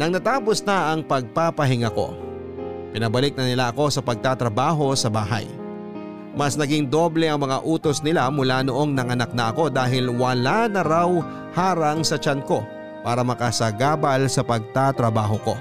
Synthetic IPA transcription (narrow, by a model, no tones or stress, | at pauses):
nɐŋnɐt̪aːposnɐʔɐŋpɐɡ̚papɐɦɪŋako̞̰ | pɪnɐbɐlɪk̚nɐnɪlaʔɐko̞sɐpɐɡ̚t̪at̪ɾɐbaːɦo̞sɐbaːɦɐ̰j | mɐsnɐɡiŋd̪o̞blɛʔɐŋmɐŋaʔuːt̪o̞snɪlamʊlanoʔo̞ŋnɐŋɐnak̚nɐʔɐko̞d̪aːɦɪlwɐlanɐɾaw | haːɾɐŋsɐt͡ʃɐnko̞ | paːɾɐmɐkɐsɐɡaːbɐlsɐpɐɡ̚t̪at̪ɾɐbaːɦo̞ko̞̰